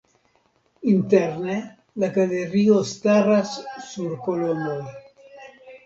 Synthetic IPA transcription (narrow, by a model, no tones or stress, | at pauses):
int̪ɛɾne | lakaleɾiost̪arasːuɾkolonoj